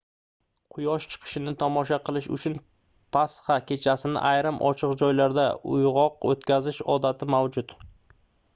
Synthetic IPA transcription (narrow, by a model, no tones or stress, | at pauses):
qʰʊjɒʃt͡ʃʰɨ̥qʰɨ̥ʃɪnɪt̪ʰɒmɒʃaqʰɨlˠɪʃʊ̰t͡ʃʰʊn | pʰasχakʲʰe̞t͡ʃʰasɪnɪ̰ʔajɾɪmʔɒ̰t͡ʃʰɨqd͡ʒɒjlaɾd̪aʊ̰jʁɒqot̪kʲʰazɪʃɒd̪at̪ʰɪmawd͡ʒʊt̪